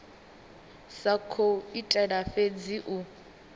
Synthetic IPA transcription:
sakʰoitʼɛɺafed͡ziʔu

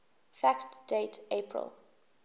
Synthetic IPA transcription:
fæktd̥eɪtʰepʰɹə̰lˠ

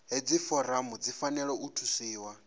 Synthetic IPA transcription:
ɦed͡zifɔɾamud͡zifanɛɺɔutʰusiːwa

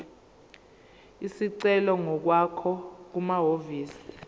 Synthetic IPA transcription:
isiǀɛlɔŋɔk̬wakʰɔk̬umaɦoviːsi̥

